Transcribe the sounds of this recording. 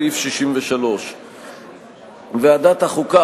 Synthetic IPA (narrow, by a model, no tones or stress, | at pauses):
ifʃiʃimveʃalo̞ʃ | vead̪at̪haχuka